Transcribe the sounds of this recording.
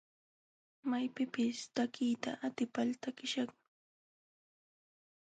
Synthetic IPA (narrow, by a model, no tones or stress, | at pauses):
majpɪpɪst̪akʰijt̪a̰ʔat̪ɪpalt̪akɪʃɑχ